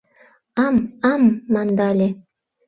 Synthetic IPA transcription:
ɑmɑmːɑnd̪ɑlʲe

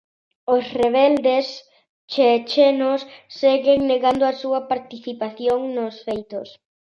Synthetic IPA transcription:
osreβɛld̪es | t͡ʃet͡ʃenosːeɣeŋneɣand̪oasuɐpaɾt̪iθipaθjoŋnosfejt̪o̰s

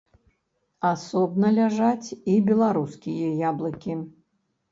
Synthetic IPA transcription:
asɔbnɐlʲaʐat͡sʲibʲɛlˠaɾuskʲijɛjablˠɐkʲi

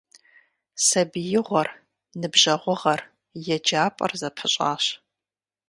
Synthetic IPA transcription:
sɐbijɪʁʷɔr | nɨbʑɐʁʷʊʁɐr | jɛd͡ʒaːpʼɐ̰rzɐpħəɕʼa̰ːɕ

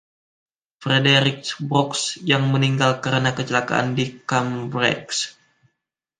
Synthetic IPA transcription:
fɾedeɾik̚sbɾɔksjaŋməniŋɡalkəɾənakət͡ʃəlaka̰ʔa̰ndikambɾɛ̰ks

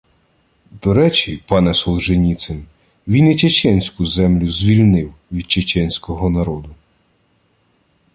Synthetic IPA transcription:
d̪ɔɾɛt͡ʃipɑnɛsɔwˠʒenʲit̪sɪm | ʋʲinit͡ʃet͡ʃɛnʲsʲkʊzɛmlʲʊzʲʋʲilʲnɪwʋʲid̪̚t͡ʃet͡ʃɛnʲsʲkɔɦɔnɐɾɔd̪ʊ

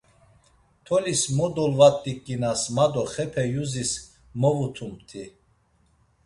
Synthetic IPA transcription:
t̪ʰɔlismɔd̪ɔlvat̪ʼːikʼːinasmad̪ɔχɛpʰɛjuzis | mɔvut̪ʰumt̪ʰi

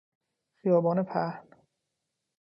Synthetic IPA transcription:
xijɒːbɒːnepʰæhn

